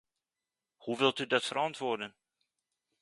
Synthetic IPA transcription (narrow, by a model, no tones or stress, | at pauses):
huʋɪlˠtydɑtfəɾɑntʋʊːɹdən